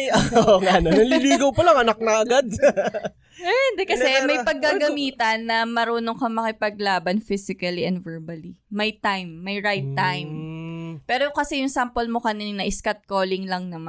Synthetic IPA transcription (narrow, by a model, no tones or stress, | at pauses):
ooŋanonɐliliːɡɐwpɐlaŋɐnak̚nɐʔɐɡad̪̚ | ɛɛnd̪ɛkɐsɛmɐjpɐɡ̚kːaɡɐmiːt̪ɐnːɐmɐɾuːnoŋkɐmɐkɪpɐɡ̚laːbɐnfɪsɪkɐliʔɛnd̪vɛɹbɐlimɐjt̪ajmːɐjɹajt̪ːajmpɛːɾokɐsɛjʊŋsampolmokɐninɐʔɪskɐt̪̚koːlɪŋlɐŋnɐma